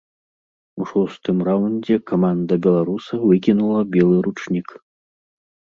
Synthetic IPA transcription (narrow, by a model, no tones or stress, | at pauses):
uʂɔst̪ɨmrawnʲd͡zʲɛkamand̪ɐbʲɛlˠaɾusɐvɨkʲinulˠɐbʲɛlˠɨɾut͡ʂnʲik